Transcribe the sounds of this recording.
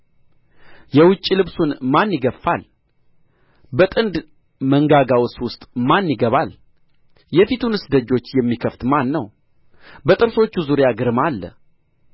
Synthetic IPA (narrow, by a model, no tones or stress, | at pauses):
jɛwʊt͡ʃʼːilɨβsunmanːjɪɡəfːal | bət̪ʼɨnd̪ | məŋɡaɡawswʊst̪ʼmanːjɪɡəβal | jɛfit̪ʰunɨsd̪əd͡ʒːo̞t͡ʃːjɛmːikʰəft̪manːəw | bət̪ʼɨɾso̞t͡ʃːuzuɾjaɡɨɾmalːə̰